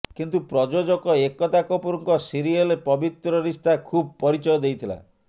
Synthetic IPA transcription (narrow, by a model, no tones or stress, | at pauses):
kint̪upɾɔd͡ʒod͡ʒɔkɔekɔt̪akɔpuɾɔŋkɔsiɾielepɔbit̪ɾɔɾist̪ʰakʰub̚pɔɾit͡ʃɔjɔd̪ejt̪ʰila̰